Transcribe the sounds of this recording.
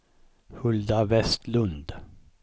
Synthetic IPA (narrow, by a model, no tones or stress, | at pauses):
hɵld̪avɛst̪lɵnd̪